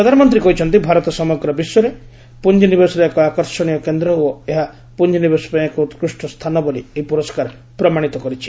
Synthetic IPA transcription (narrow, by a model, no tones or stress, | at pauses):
pɾɔd̪ʱanɔmɔnt̪̬ɾikɔɦit͡ʃʰɔnt̪ibʱaɾɔt̪ɔsɔmɔɡɾɔbisjɔɾe | pund͡ʒɔnibesɔɾeekɔakɔɾsɔɽ̃ijɔkend̪ɾɔoeɦa | pund͡ʒɔnibesɔ̥pãekɔt̪kɾusʈɔst̪ʰanɔbolieɦipuɾɔskaɾ | pɾɔmaɽ̃it̪ɔkɔɾit͡ʃʰi̥